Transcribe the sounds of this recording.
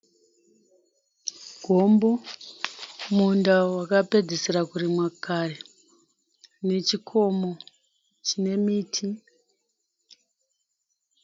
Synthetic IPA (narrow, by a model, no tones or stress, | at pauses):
ɡ̥ʱo̞mbo̞ | mundawakape̞d͡zisiɾakurimwakʰare | ne̞t͡ʃikʰo̞mo̞ | t͡ʃine̞miːtʰi